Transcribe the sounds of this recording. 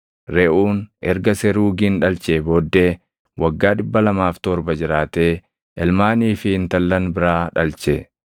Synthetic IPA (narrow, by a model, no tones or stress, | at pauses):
ɾɛʔuːnʔɛɾɡɐsɛɾuːɡinᶑɐlt͡ʃeːboːd̪ːeː | wɐɡːaːᶑɪbːɐlɐmaːft̪ɔɾbɐd͡ʒɪɾaːt̪eː | ʔɛlmaːniːfɪɪnt̪ɐlːɐnbɪɾaːᶑɐlt͡ʃɛ